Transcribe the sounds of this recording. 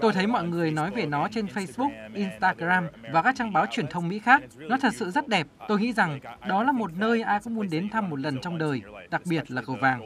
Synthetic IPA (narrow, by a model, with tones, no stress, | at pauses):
t̪o˧jt̪ʰə˨˦jmɔ̰˧˨jŋɨ˨˩əjnɔ˨˦jve˨˩nɔ˨˦t͡ɕe˧nfə˧jsɓʊ˦˥k̚ʔi˧nst̪aː˧ɣzaː˧mvaː˨˩kaː˦˥k̚t͡ɕaː˧ŋɓaː˨˦wt͡ɕwi˨˩ənt̪ʰə˧wŋ͡mmḭ˧˥xaː˦˥k̚nɔ˨˦t̪ʰə˨˩t̚sɨ̰˧˨zə˦˥t̚ɗɛ˨˩p̚t̪o˧jŋḭ˧˥za˨˩ŋɗɔ˨˦laː˨˩mo˨˩t̚nəː˧jʔaː˧jkɔ̰˧˥ŋ͡mmu˨˧˦nɗe˨˦nt̪ʰa˧mːo˨˩t̚lə˨˩nt͡ɕɔ˧wŋ͡mɗəː˨˩jɗa˨˩k̚ɓi˨˩ət̚laː˨˩kə˨˧˩wvaː˨˩ŋ